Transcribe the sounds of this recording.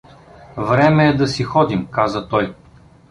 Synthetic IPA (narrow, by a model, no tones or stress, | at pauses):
vɾɛmɛːd̪ɐsixɔd̪imkazət̪ɔj